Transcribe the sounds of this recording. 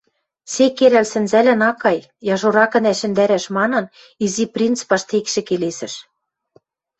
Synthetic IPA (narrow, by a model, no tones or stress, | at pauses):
sekeɾælsɘ̆nzælæ̆nɑkɑj | jɑʒoɾɑkɤ̆næʃɘ̆nd̪æɾæʃmɑnɤ̆n | iziprʲint͡spɑʃt̪ekʃĕkelesɘ̆ʃ